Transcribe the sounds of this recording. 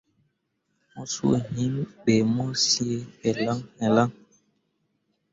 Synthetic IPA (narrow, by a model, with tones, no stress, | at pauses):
mɔ˦sṵ˦e˨ɦi˦mɓe˨mɔ˦si˦e˦ɛ˨la˦ŋnɛ˨la˦ŋ